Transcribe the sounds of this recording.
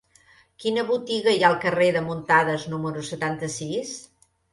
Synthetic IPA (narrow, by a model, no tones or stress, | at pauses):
kinəβut̪iɣəjalˠkəreðəmunt̪aðəznuməɾusət̪ant̪əsis